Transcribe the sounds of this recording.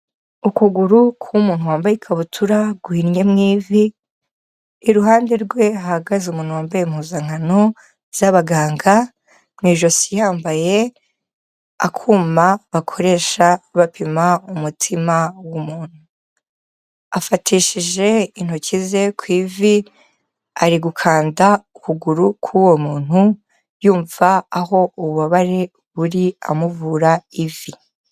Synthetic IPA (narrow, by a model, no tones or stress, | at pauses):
ukuɡuɾukʰumuːnhuwaːmbajikʰaβutʰuɾaɡwuhiɾɲe̞mŋiːvi | ɾuɦaːnde̞ɾɡwe̞aɡazumuːnhuwaːmbajem̥huːzaŋ̥ano̞ | z̥aβaɡaːŋɡa | mŋiːʒo̞sijaːmbaje̞ | a̰kʰuːmaβakʰo̞ɾe̞ːʃaβapimaumutʰimawumuːn̥hu | afatʰiʃiʒe̞in̥hocize̞kwivi | aɾiɡukʰaːndaukuɡuɾukʰuwo̞muːn̥hu | juːɱvaːɦo̞uβuβaβaɾe̞ | βuɾia̰muvuːɾaivi